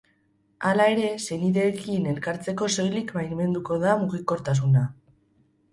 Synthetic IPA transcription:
alae̞ɾe̞se̞niðe̞ːkine̞lkaɾt͡se̞ko̞so̞jlikbajnme̞nd̪uko̞ðamuɣiko̞ɾt̪as̬una

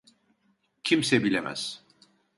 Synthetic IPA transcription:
cʰimsɛbilʲemæ̰z̥

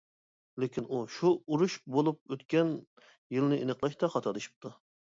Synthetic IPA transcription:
lekʲʰinuʃuuɾuʃbolˠup̚øt̪kʲɛn | jɨlnɨʔenəqlˠɑʃt̪ɑχɑt̪ʰɑd̪ɨʃi̥p̚t̪ʰu

